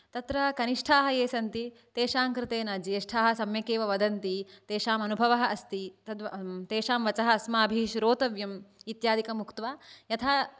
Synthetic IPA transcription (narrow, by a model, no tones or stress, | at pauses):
t̪ɐt̪ɾɐkɐniʂʈʰaːɦɐjeːsɐnt̪i | t̪eːʃaːmkɾɪt̪eːnaːd͡ʒieːʂʈʰaːɦɐ̆sɐmjɐkeːʋɐʋɐd̪ɐnt̪it̪eːʃaːmɐnubʱɐʋɐɦɐʔɐst̪it̪ɐd̪ʋɐt̪eːʃaːmʋɐt͡ʃɐɦɐːsmaːɐbʱiʃɾoːt̪ɐʋjɐmit̪jaːd̪ikɐmukt̪ʋaːjɐt̪ʰaː